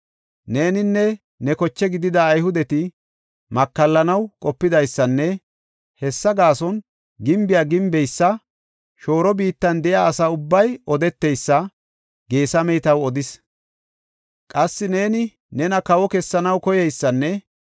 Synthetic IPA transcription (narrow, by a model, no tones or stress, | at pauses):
ne̞ːnɪnːɛ | nɛkɔt͡ʃːɛɡɪd̪ɪd̪ɐːjhʊd̪ɛt̪ɪ | mɐkːɐlːɐnɐwkʼɔpːɪd̪ɐjsːɐnːɛ | hɛsːɐɡaːsɔn | ɡɪmbɪjaːɡɪmbɛjsːɐ | ʃo̞ːɾɔbiːt̪ːɐnd̪ɛʔɪaɐsaʊbːɐjɔd̪ɛt̪ːɛjsːɐ | ɡe̞ːsɐmɛjt̪ɐwɔd̪ɪs | kʼɐsːɪne̞ːnɪ | nɛnɐkɐwɔkɛsːɐnɐwkɔjɛjsːɐnːɛ